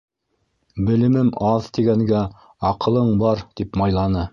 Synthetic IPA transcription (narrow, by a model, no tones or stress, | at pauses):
bɘ̆lɘ̆mɘmɑðt̪iɡæŋɡæ | ɑqɤ̆lˠɤɴbɑɾt̪ipmɑjlˠɑnɤ